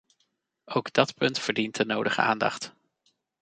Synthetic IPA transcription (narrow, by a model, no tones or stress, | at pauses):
ʔowɡdɑtpɵntfəɹdintənowdəχə̰a̰ːndɑ̰χt